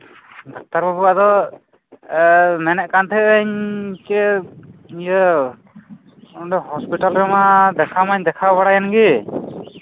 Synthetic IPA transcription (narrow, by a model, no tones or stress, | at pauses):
d̪ak̚t̪aɾpɔbuad̪ɔ | mɛnɛʔkant̪ʰɛːɲkɛ | ijə | ɔɖɔhɔspiʈalɾɛmad̪ɛkʰamaɲd̪ɛkʰabaɽajanɡi